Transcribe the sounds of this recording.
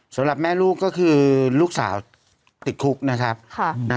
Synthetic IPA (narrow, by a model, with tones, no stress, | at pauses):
sa˩˦mɾa˨˩p̚mɛː˥˩luː˥˩kːɔː˥˩kʰɯː˧luː˥˩k̚sa̰ː˩˦w | t̪i˨˩t̪̚kʰu˦˥k̚na˦˥kʰa˦˥p̚kʰa˧˩na˦